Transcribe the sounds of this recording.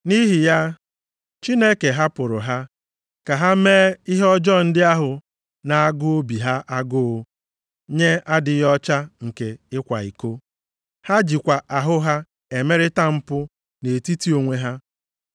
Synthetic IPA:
ni˦ɦi˨ja˦ | t͡ʃi˦ne˦ke˨ɦa˦pʊ˨ɾʊ˨ɦa˦ | ka˨ɦa˦meː˦i˦ɦe˦ɔ˦d͡ʒɔ˦˨n̩˦dɪ˦a˦ɦʊ˨ | na˨a˦ɡʊ˦o˦bi˨ɦa˦ʔa˦ɡʊ˦o˦ | ɲe˦a˦dɪ˨jɔ˦t͡ʃa˦ŋ̩˨ke˨ɪ˦kʷa̰˨i˨ko˦ | ha˦d͡ʒi˨kʷa˨ʔa˨ɦʊ˦ɦa˦ | e˨me˦ɾɪ˦ta˦m̩˦pʊ˦ | ne˨ti˦ti˦o˨ŋʷe˦ɦa˦

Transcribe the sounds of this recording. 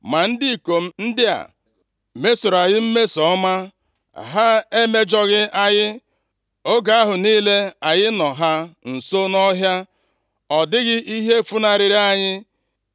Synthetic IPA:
ma˨n̩˦di˦˨ko˨m̩˦n̩˦dɪ˦a̰˨ | me˦so˨ɾa˨jɪ˦m̩˦me˦sɔ˨˦ma˦˨ | ɦa˦e˦me˦d͡ʒɔ˦ɣɪ˦a˦ɲɪ˦ | o˦ɡa˨a˦ɦʊ˨niː˦le˦a˨jɪ˦nɔ˨ɦa˦n̩˨so˦nɔ˦ɦja˦ | ɔ˨dɪ˦ɣɪ˦ʔi˦ɦe˦fu˦na˨ɾɪ˨ɾi˦a˨ɲɪ˦

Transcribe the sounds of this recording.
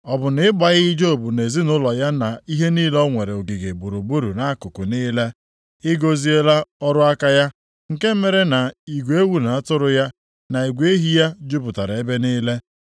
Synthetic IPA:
ɔ˨bʊ˨nɪ˦ɪ˦ɡ͡ba˨ɣi˦d͡ʒo˦˨bʊ˨ne˨zi˦nʊ˦lɔ˨ja˦na˨i˦ɦe˦niː˦lɔ˦ŋʷe˨ɾe˨o˨ɡi˨ɡe˨bu˨ɾu˨bu˦ɾu˨na˨˦a˦kʊ˨kʊ˨ni˦le˦ | ɪ˦ɡo˦zi˦e˦la˦ɔ˦ɾʊ˦a˦ka˦ja˦ | ŋ̩˨ke˦m̩˦me˨ɾe˦na˨i˨ɡʷe˦wu˦na˨a˦tʊ˦ɾʊ˦ja˦ | na˨i˨ɡʷe˦ɦi˦ja˦d͡ʒu˦bʊ˨ta˨ɾa˨e˦be˦niː˦le˦

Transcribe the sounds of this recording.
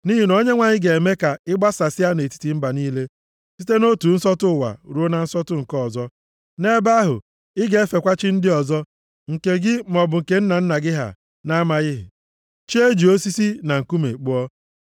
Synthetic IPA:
ni˦ɦi˨no˦ɲe˦ŋʷa˨ɲɪ˦ɡe˨e˨me˦ka˨ɪ˦ɡ͡ba˦sa˨sɪ˦a˦ne˨ti̥˦ti˨m̩˦ba˨niː˦le˦ | si˦te˦no˦tu˨n̩˦sɔ˦tʊ˦˨wa̰˨ɾu˨˦o˦na˨n̩˦sɔ˦tʊ˦ŋ̩˨kɔ˦˨zɔ˦ | ne˦ba˦ɦʊ̰˨ | ɪ˦ɡe˦e˦fe˨kʷa˦t͡ʃɪ˦n̩˦dɪ˦ɔ˨zɔ˦ | ŋ̩˨ke˦ɡɪ˦mɔ˨bʊ˨ŋ̩˨ke˦n̩˦na˨n̩˦na˨ɡɪ˦ɦa̰˨ | na˦ma˦ɣɪ˦ɦɪ̰˨ | t͡ʃi˦e˦d͡ʒi˨o˦si˦si˦na˨ŋ̩˨ku˦mḛ˨k͡pʊ˦ɔ˦

